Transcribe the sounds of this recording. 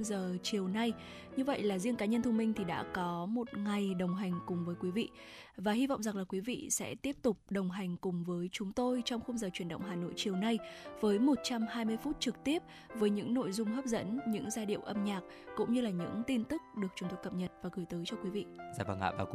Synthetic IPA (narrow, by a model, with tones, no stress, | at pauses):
zəː˨˩t͡ɕi˨˩əwna˧j | ɲɨ˧və̰˧˨jlaː˨˩zi˧əŋkaː˨˦ɲə˧nt̪ʰʊ˧ŋ͡mmï˧ŋ̟t̪ʰi˨˩ɗa̰ː˧˥kɔ˨˦mo˨˩t̚ŋa˨˩jɗə˨˩wŋ͡mɦa˨˩jŋ̟kʊ˨˩ŋ͡mvəː˨˦jkwi˨˦vḭ˧˨ | vaː˨˩ɦi˧va̰˧˨ŋ͡mza˨˩ŋlaː˨˩kwi˨˦vḭ˧˨sɛ̰˧˥t̪i˦˥əp̚t̪ʊ˨˩k͡p̚ɗə˨˩wŋ͡mɦa˨˩jŋ̟kʊ˨˩ŋ͡mvəː˨˦jt͡ɕʊ˨˦ŋ͡mt̪o˧jt͡ɕɔ˧wŋ͡mxə˧wŋ͡mzəː˨˩t͡ɕwi˧˩ənɗə̰˧˨wŋ͡mɦaː˨˩no̰˧˨jt͡ɕi˨˩əwna˧jvəː˨˦jmo˨˩t̚t͡ɕa˧mɦaː˧jmɨ˧əjfu˦˥t̚t͡ɕɨ˨˩k̚t̪i˦˥əp̚ | vəː˨˦jɲɨ̰˧˥ŋno̰˧˨jzʊ˧ŋ͡mɦəː˦˥p̚zə̰˧˥nɲɨ̰˧˥ŋzaː˧ɗḭ˧˨əwʔə˧mɲaː˨˩k̚ | kʊ̰˧˥ŋ͡mɲɨ˧laː˨˩ɲɨ̰˧˥ŋt̪i˧nt̪ɨ˦˥k̚ɗɨ˨˩ək̚t͡ɕʊ˨˩ŋ͡mt̪ʊ˨˩kə˨˩p̚ɲə˨˩t̚vaː˨˩ɣɨ˨˩jt̪əː˨˦jt͡ɕɔ˧kwi˨˦vḭ˧˨zaː˨˩ɓaː˧˩ŋa̰ː˧ɓaː˨˩